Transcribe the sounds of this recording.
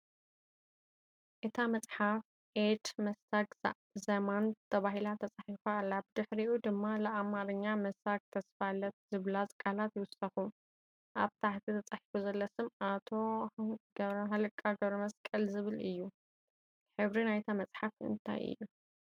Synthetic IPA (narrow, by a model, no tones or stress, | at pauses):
ʔɨt̪ʰamɐt͡sʼħaf | ʔed̪mɐsaɡ | zɐmant̪ʰɐβaɦilat̪ʰɐt͡sʼaħifalːabɨd̪ɨħɾiʔud̪ɨmːalɨʔamaɾɨɲːamɐsaɡ̚t̪ʰɐsfalɐt̪̚zɨβlazʼkʼalat̪jɪwʊsɐxu | ʔaβt̪ʰaħt̪ʰit̪ʰɐt͡sʼaħifuzɐlːɐsɨmat̪ʰo̞ɡɐβɾɐɦalɨkʼːaɡɐβɾɐmɐskʼɐlzɨβɨlʔɨjːu | ħɨβɾinajt̪ʰamɐt͡sʼħafɨ̰nt̪ʰa̰jʔɨ̰jːu